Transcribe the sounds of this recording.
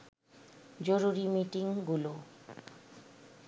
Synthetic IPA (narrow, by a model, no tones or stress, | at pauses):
d͡ʑoɾuɾimiʈiŋɡulo